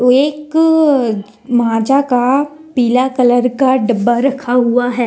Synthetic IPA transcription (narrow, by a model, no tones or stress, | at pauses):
oeːk | mɐɦãːd͡ʒaka | piːlakɐləɾkaɖɐbːaɾɐkʰaɦuaɦɛː